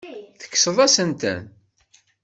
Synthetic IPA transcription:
θə̥kːsəðˤæsənt̪ə̰n

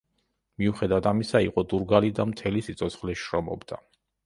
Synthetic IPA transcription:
miuχɛd̪avat̪ʰamisaḭqʼɔd̪uɾɡalid̪amt̪ʰɛlisit̪sʰʼɔt̪sʰχlɛʃɾɔmɔ̰bd̪a

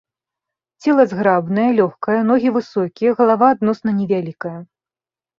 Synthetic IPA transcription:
t͡sʲɛlˠɐzɣɾabnɐjɐlʲɔxkɐjɐnɔɣʲivɨsɔkʲijɐɣɐlˠavaːd̪nɔsnɐnʲɛvʲalʲikɐjɐ

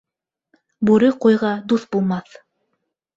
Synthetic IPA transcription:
bʉɾɘqujʁɑd̪uθbulˠmɑθ

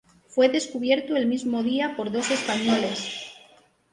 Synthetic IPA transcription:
fwe̞ðe̞skuβ̞je̞ɾt̪oelmizmo̞ðiapo̞ɾðo̞se̞spaɲole̞s

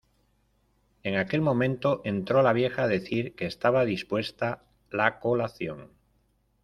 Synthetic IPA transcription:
e̞ŋake̞lmõ̞mẽnt̪o̞ʔe̞nt̪ɾolaβ̞je̞xaðe̞θiɾkeːst̪aβ̞aðispwe̞st̪a | lako̞laθjo̞̰ŋ

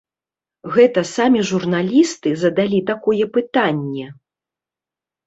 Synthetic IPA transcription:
ɣɛt̪ɐsamʲiʐurnalʲist̪ɨzɐd̪alʲit̪akɔjɛpɨt̪anʲːɛ

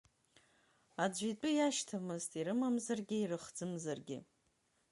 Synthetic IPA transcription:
ad͡ʒʷit͡pʼʊjaʃtʰamɨztʰʼiɾɨmamzarɡʲɪirɨχd͡zɨmzarɡʲɪ̰

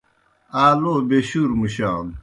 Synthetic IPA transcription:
aːloːbeɕuɾmuɕaːm

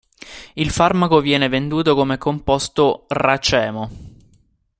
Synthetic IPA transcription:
ilfarmakovjɛːnevend̪uːt̪okomekʰːompɔst̪orat͡ʃɛːmo

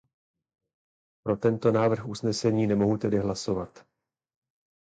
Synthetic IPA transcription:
pɾo̞t̪ɛnt̪o̞naːvr̩xʔusnɛsɛɲiːnɛmo̞ɦut̪ɛdɪɦlaso̞vat̪

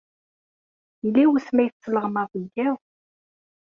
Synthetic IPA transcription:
ilːiwəsmæjθt͡sːələʁmɑðˤiɡæw

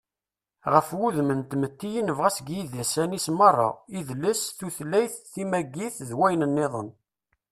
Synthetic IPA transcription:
ʁəfwuðmənt̪mət̪ːijinəvʁæsɡjiðæsænismɑrˤːɑ̰iðlːəsθuθlːæjθːimæɡːiθðwæjnənːeðˤən

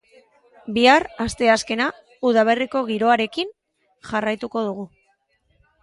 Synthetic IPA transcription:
biarast̪e̞aske̞na | uðaβe̞riko̞ɣ̞iɾo̞aɾe̞kin | ʝarajt̪uko̞ð̞uɣu

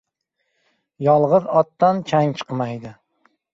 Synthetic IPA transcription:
jɒlˠʁɨzɒt̪ːant͡ʃʰaŋt͡ʃʰɨ̥qmajd̪ɪ

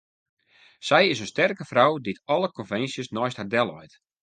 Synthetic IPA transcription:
sɛjɪsənstɛrkəfrawditɔləkɔnfɛnsjəsnɔjsthardɛlˠɔjt

